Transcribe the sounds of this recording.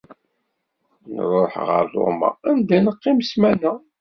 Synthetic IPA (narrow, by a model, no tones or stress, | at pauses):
nə̰ɾˤoħʁə̰ɾθo̰ma̰ænd̪ænəqːimsmænæ